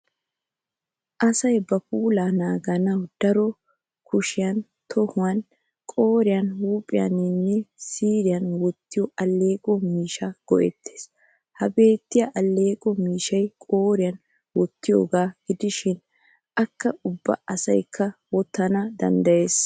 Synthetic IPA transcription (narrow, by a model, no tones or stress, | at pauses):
ʔɐsɐjbɐpuːlaːnaːɡɐnɐwd̪̥ɐɾɔ | kʰʊʃɪjɐn | t̪ʰɔhʊwɐn | kʼo̞ːɾɪjɐnhuːpʼɪjɐ̰nɪnːɛsiːɾɪjɐnwɔt̪ːɪjɔʔɐlːe̞ːkʼɔmiːʃaɡ̥ɔ̰ʔɛt̪ːeːs | hɐbe̞ːt̪ːɪjɐʔɐlːe̞ːkʼɔmiːʃɐjkʼoːɾɪjɐn | wɔt̪ːɪjo̰ːɡaːɡ̥ɪd̪ɪʃɪn | ʔɐkːɐʊbːɐ̰ɐsɐ̰jkʰːɐwɔt̪ːɐnɐd̪ɐ̰nd̪ɐje̞ːs